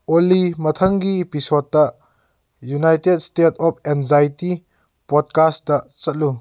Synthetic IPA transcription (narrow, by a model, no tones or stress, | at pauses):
ʔɔlːimɐt̪ʰɐŋɡipisɔd̚aʔ | junajtɛd̚stetɔp̚ɛnzajti | pɔd̚kastːɐʔt͡sɐt̚lu